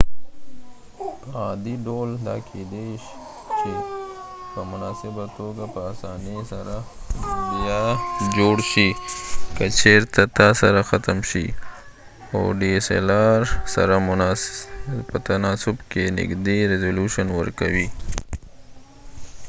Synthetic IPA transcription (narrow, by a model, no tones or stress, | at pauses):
ad̪iɖold̪akʰed̪eʃ | t͡ʃe | pəmʊnɑsɪbat̪oɡapəːsɑːnisaɾadijad͡ʒoɽʃikat͡ʃʰeɾt̪at̪ɑsaɾaxat̪əmʃḭ | a̰wɖisḛlɑɾsa̰ɾam | pət̪anɑsʊbkenɪ̰ɡd̪eɾezoluʃənwə̰ɾkawi